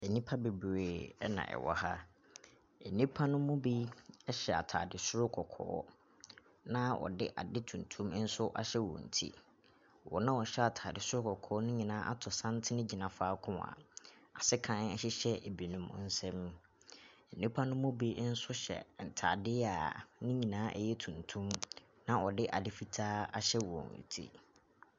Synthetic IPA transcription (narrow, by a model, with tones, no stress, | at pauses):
e˨nĩ˦pʰa˦be˨bɾe˨˦nã̰˨ʔɛ̰˨wɔ̰˨ha˦ | ɛ˨nĩ˦pʰa˦nʊ̃˦mʊ̃˦bi˦ɛ˦ɕɛ˨a̰˨tʰaː˨dɪ˨sʊ˦ɾʊ˦kʰɔ˨kʰɔ̰ː˦ | nã˦ʔɔ̰˨dɪ̰˦ʔa̰˨dɪ˦tʰũ˨n̩˨tʰũ˦m˦n̩˦sʊ˦ʔa˦ɕɛ˦wɔ̰̃˨n̩˨tʰḭ˦ | wɔ̰˨nã˦wɔ˨ɕɛ˦a˨tʰaː˨dɪ˨sʊ˦ɾʊ˦kɔ˨kʰɔː˨˦nʊ̃˦ɲĩ˨nã˦ʔa̰˦tʰʊ˨sã˦n˦tʰɪ˦nɪ̃˦d͡ʑi˨nã˨faː˦kʰʊ̃˦a̰˨a˨sɪ˦kʰã˦nɛ˨ɕɪ˦ɕɛ˦ʔe˨bi˨nũ˦m˦n̩˦sɛ̃˦m | n̩˨nĩ˦pʰa˦nʊ̃˦mʊ̃˦be˦n̩˦sʊ˦ɕɛ̰˨n̩˨tʰa˨dɪ˦a˨nʊ̃˦ɲĩ˨nãː˨˦ʔɛ̰˨jɛ˦tʰũ˨ntʰũ˦m | nã˦ʔɔ˨dɪ˦ʔa˨dɪ˦fi˨tʰaː˦a̰˦ɕɛ˦wɔ̰̃˨n˨n̩˨tʰḭ˦